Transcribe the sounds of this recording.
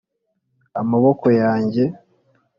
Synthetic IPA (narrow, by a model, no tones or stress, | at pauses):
a̰maβoko̞jaːɲɟe̞